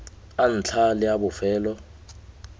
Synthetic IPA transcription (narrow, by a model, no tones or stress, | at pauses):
an̩t͡ɬʰalɪjaɓʊfɛːlɔ